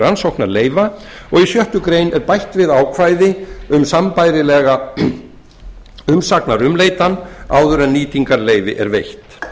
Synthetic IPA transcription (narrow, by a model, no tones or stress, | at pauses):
ɾansowhknaɾleːjva | ɔɣisjœht̪ʏkɾeːjnɛɾpajht̪vɪðaːwkʰvajðɪʏmsampajɾɪlɛːɣa | ʏmsaknaɾʏmleːjt̪anːaːwðʏɾɛnniːt̪iŋkaɾleːjvɪ̰ʔɛ̰ɾvejht̪